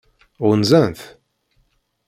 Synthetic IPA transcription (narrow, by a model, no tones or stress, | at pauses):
ʊɾnzænθ